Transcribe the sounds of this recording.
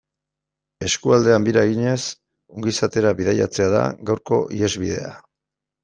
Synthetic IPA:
e̞skuald̪e̞ambiɾaɣiɲe̞s | uŋɡisat̪e̞ɾaβið̞aja̰t͡se̞aða̰ɡawɾko̞̰ʔie̞zβið̞e̞̰a̰

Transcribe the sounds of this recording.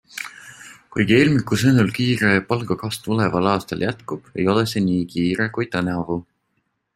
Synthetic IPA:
kujɡ̥ielʲmikːˑusɤnulkiːɾe̞pɑlɡ̥ɑkɑst̪ule̞vɑlɑːst̪ɑljæt̪kub̥e̞̰jo̞lese̞niːkiːɾe̞kujt̪ɑnɑvu

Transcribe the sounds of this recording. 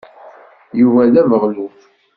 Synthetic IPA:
juvælævəʁluf

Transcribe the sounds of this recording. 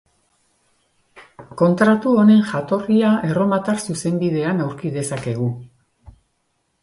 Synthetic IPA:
ko̞nt̪ɾat̪uo̞ne̞ŋʝat̪o̞riaʔe̞ro̞mat̪arsuse̞mbiðe̞anawɾkiðe̞sake̞ɣ̞u

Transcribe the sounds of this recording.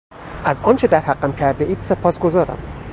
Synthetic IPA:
ʔæzɒːnt͡ʃʰe̞d̪æɾhæɢːæmcʰæɾd̪eʔiːd̪̥se̞pʰɒːsɡo̞zɒːɾæ̰m

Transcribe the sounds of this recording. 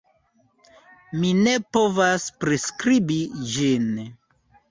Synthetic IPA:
mine̞po̞vaspɾeskɾibid͡ʒin

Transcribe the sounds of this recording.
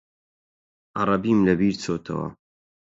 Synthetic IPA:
ʔɑɾˤɐbiːmlɐbiːɾt͡sʰoːt̪ʰɐ̰wɐ̰

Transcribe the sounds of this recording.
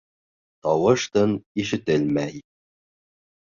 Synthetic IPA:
t̪ɒwɤ̆ʃt̪ɤniʃɘ̆t̪ɘlmæj

